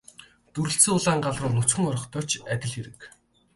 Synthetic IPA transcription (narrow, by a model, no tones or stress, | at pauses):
t̪uɾɘ̆ɬsɘ̆ːʊɮaːɴɢaɮrʊːnɵt͡ɕxɘ̆ŋɔɾɞ̆χt̪ʰɔːt͡ɕæt̪ʲɪ̆ɮxeɾɘ̆k